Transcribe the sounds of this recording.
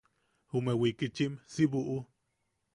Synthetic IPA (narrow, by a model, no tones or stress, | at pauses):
humewikit͡ʃimsiβuʔu